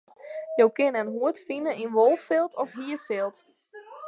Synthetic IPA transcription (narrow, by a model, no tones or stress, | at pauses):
jowkɪnənɦuətfinəinʋolˠffɪlˠtɔfɦiːəfɪlˠt